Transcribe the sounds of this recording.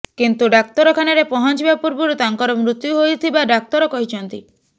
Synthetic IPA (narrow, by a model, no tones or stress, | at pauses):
kint̪uɖak̚t̪ɔɾɔkʰanaɾepɔɦɔnt͡ʃibapuɾbɔɾut̪aŋkɔɾɔmɾut̪juɦojt̪ʰibaɖak̚t̪ɔɾɔkɔɦit͡ʃʰɔnt̪i